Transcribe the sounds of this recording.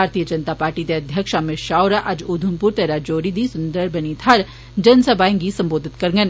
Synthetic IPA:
aːɾt̪ijəd͡ʒɐnt̪apaːɾʈid̪eɐd̪ʱjəkʃamɪʃaːʊɾaʔɐd͡ʒuːd̪ʱumpuɾt̪ɐɾad͡ʒoːɾid̪isʊnd̪əɾbʱənit̪ʰɐɾ | d͡ʒɐnsɐbʱaːĩŋɡisɐ̃mboːd̪ʱɪt̪kɐɾŋɡən

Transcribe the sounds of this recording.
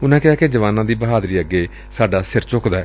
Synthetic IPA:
ʊnãːkɪɦaːked͡ʒəʋaːnãːd̪iːbəɦaːd̪ɾiːəɡːeː | saːɖaːsɪɾt͡ʃʊkd̪aːɛ

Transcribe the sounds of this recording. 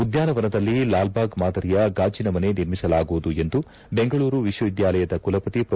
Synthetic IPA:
ud̪jaːnɐʋɐnɐd̪ɐlːilaːlbaːɡmaːd̪ɐɾijɐɡaːd͡ʒinɐmɐne̞niɾmisɐlaːɡuʋud̪ue̞nd̪u | be̞ŋɡɐɭuːɾuʋiʃʋɐʋid̪jaːlɐjɐd̪ɐkulɐpɐt̪ipɾɐ

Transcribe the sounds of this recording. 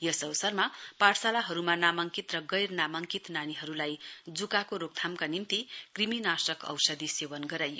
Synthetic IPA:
jʌsʌwsʌrmapaʈsalaɦʌɾumanamʌŋkit̪rʌɡʌjrnamʌŋkit̪naniɦʌɾulajd͡zukakoɾok̚t̪ʰamkanint̪ikriminasʌkʌ̰wsʌd̪isewʌnɡʌɾajo

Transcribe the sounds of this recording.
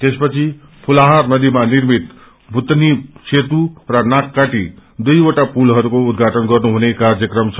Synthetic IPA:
t̪espʌt͡sʰi | pʰulaɦarnʌd̪imanirmit̪ | bʱut̪niset̪urʌnakːaʈid̪ujoʈapulɦʌɾukoud̪ɡʱaʈʌnɡʌrnuɦunekard͡zʌkrʌmt͡sʰʌ

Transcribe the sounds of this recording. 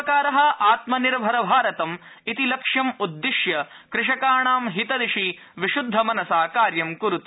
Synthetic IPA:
kaːɾɐɦɐaːt̪mɐniɾbʱɐɾɐbʱaːɾɐt̪ɐm | it̪ilɐkʂjɐmud̪ːiʃjɐkɾɪʂɐkaːɳaːmɦit̪ɐd̪iʂi | ʋiʃud̪ʱːɐmɐnɐsaːkaːɾjɐmkuɾut̪i

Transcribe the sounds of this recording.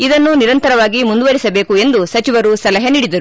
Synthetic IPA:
id̪ɐnːuniɾɐnt̪ɐɾɐʋaːɡimund̪uʋɐɾisɐbe̞ːkue̞nd̪usɐt͡ʃiʋɐɾusɐlɐɦɐniːɽid̪ɐɾu

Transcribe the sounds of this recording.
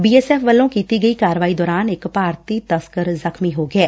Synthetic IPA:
biːɛːsɛːfʋəlːõːkiːt̪iːɡəiːkaːɾəʋaːiːd̪ɔːɾaːnɪkpaːɾt̪iːt̪əskəɾzəkʰmiːɦoːɡɪɛː

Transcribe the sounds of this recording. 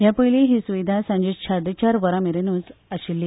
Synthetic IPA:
japəjliɦiːsuʋid̪ʱasãɲd͡ʑet͡ɕʰaɾɖ̪et͡ɕaɾʋəɾameɾenuːt͡saɕilːi

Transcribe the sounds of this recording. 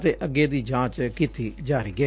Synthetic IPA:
t̪eːʔəɡeːd̪iːd͡ʒãːt͡ʃkiːt̪iːd͡ʒaːɾiːɡe

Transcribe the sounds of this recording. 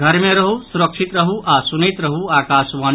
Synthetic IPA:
ɡʱəɾmẽɾɐɦusuɾəkʃit̪ɾəɦuʔasunit̪ɾəɦuaːkaːsʋaːn

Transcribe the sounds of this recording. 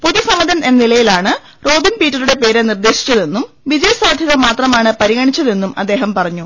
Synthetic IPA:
po̞ðisɐmɐd̪ɐne̞nːilɐjilaːɳɨ | ro̞ːbinpiːtːɐluɽe̞pe̞ːɾenird̪e̞ːɕi̥t͡ɕːɐðe̞nːum | ʋid͡ʑɐjɐsaːd̪ʱjɐɣɐmaːt̪rɐmaːɳɨpɐɾiɣɐɳit͡ɕːɐðe̞nːumɐ̰d̪ːe̞ːɦɐmpɐrɐɲːu

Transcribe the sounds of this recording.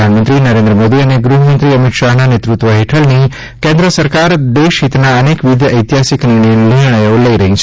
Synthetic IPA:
anmənt̪ɾinəɾẽnd̪ɾəmod̪iəneɡɾuɦəmənt̪ɾiəmit̪ʃaɦnanet̪ɾut̪ʋəɦeʈʰəlni | kẽnd̪ɾəsəɾkaɾd̪eʃɦit̪naənekʋid̪ʱjəəjt̪iɦasiknɪɾɳ̃əjoləiɾəɦĩt͡ʃʰ

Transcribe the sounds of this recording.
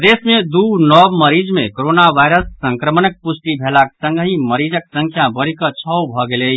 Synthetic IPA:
d̪esmed̪uɦnɔbməɾid͡ʒmekoɾonaʋajɾəsːəŋkɾəmənək̚pusʈibʱelaksə̃ŋɡɦiməɾid͡ʒək̚sə̃ŋkʰjabəɾikət͡ʃʰɔwbʱɔɡele

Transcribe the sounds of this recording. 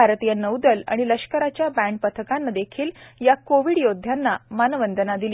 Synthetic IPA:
aɾt̪ijənəwd̪əla̰ɽ̃iləʂkəɾat͡ɕjabæ̃ɳʈ̚pət̪ʰəkanːad̪ekʰiːljakoʋiːɽjod̪ʱːjanːamanəʋənd̪ʱənad̪ili

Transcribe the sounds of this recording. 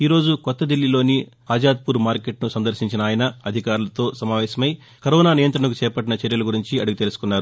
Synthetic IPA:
iːɾo̞ːd͡ʒukɔt̪ːɐd̪ilːilo̞ːni | aːd͡ʒaːd̪̚puːɾmaːɾkeʈnusɐnd̪ɐɾʃiɲt͡ʃinɐaːjɐnɐɐd̪ʱikaːɾulɐt̪o̞ːsɐmaːʋɛːsɐmɐj | kɐɾɔːnaːnijɐnt̪ɾɐɳɐkut͡ʃɛːpɐʈ̬ːinɐt͡ʃeɾjɐlɐɡuɾiɲt͡ʃiɐɽuɡut̪e̞lusu̥kunːaːɾu

